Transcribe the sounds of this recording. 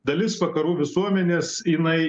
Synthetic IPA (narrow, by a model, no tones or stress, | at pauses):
d̪ɐlʲɪsʋɐkɐɾuːʋʲɪsuɔmʲɛnʲeːsjɪnɐɪ